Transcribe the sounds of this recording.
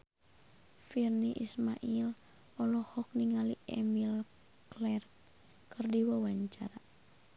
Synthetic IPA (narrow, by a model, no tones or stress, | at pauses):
firniʔismaʔil | ɔlɔhɔk̚niŋaliɛ̰mil | klɛrk | kɨrdiwawaɲt͡ʃaɾa